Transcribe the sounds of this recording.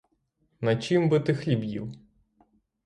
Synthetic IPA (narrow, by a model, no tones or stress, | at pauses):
nɐt͡ʃɪmbɨt̪ɪxlʲibjḭw